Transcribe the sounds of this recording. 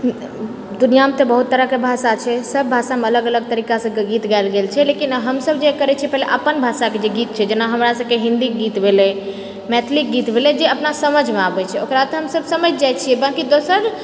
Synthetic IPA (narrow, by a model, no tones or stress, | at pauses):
d̪unijamet̪ebəɦut̪ːəɾəkebʱasat͡ʃʰɛsəbːʱasameələɡələɡ̚t̪əɾikasə̃ɡit̪ɡalɡelt͡ʃʰɛlekinɦəmsəbd͡ʒekəɾɛt͡ʃʰiɛpɛɦleʔəpənbʱasaked͡ʒeɡit̪̚t͡ʃʰɛd͡ʒenaɦəmɾasəbkeɦĩnd̪iɡit̪bʱelɛ | mɛt̪ʰlik̚ɡit̪bʱelɛd͡ʒeəpnasəməd͡ʒʱmeabɛt͡ʃʰɛokɾat̪ɔɦəmsəbsəməd͡ʒd͡ʒajt͡ʃʰijɛbakid̪osəɾ